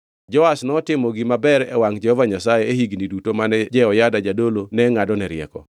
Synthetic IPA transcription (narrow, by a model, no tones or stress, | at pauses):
d͡ʒɔasnɔtɪmɔɡimabɛɾɛ̰waŋd͡ʒɛhɔvaɲasajeehiɡnidutomanɛd͡ʒɛɔjadad͡ʒadolonɛŋadɔnɛɾjɛ̰kɔ̰